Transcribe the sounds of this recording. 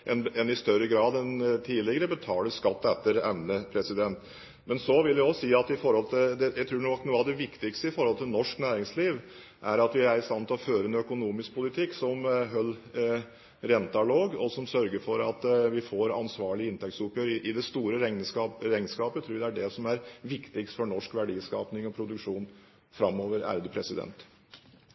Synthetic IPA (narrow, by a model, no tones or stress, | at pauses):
ʔɛnɛnɪst̪œɾːəɡɾɑːd̪ɛnt̪ʰiːlɪɡəɾəbət̪ʰɑːləskɑt̪ːɛt̪ːəɾɛmnəpʰɾɛsɪd̪ɛnt̪ | mɛnsɔʋɪljæɔsiːɑt̪ɪfɔɾhɔlt̪ʰɪld̪ɛjæt̪ʰɾuːnuːəɑʋd̪ɛʋɪkt̪ɪkst̪əɪfɔɾhɔlt̪ʰɪlnɔʂknæːɾɪŋsliːʋ | ʔæɾɑt̪ʋɪæɾɪst̪ɑnt̪ɪlɔføːɾənœkʊnuːmɪsk̚pʰʊlɪt̪ʰɪkːsɔmɦœlː | ɾɛnt̪ɑloːɡɔsɔmsœɾɡəɾfɔɾɑt̪ʋɪfoːɾɑ̰nsʋɑːɭɪɪnt̪ʰɛk̚t̪sʊpjøːɾɪʔɪd̪ɛst̪uːɾəɾɛɑɾɛŋnskɑːpət̪ʰɾuːd̪ɛæɖɛsɔmæɾʋɪkt̪ɪkst̪fɔɳɔʂkʋæɖiːskɑ̰ːpnɪŋɔpʰɾʊd̪ʉkʂuːn | fɾɑmːoːʋəɾæ̰ɾd̪əpʰɾɛsɪd̪ɛ̰nt̪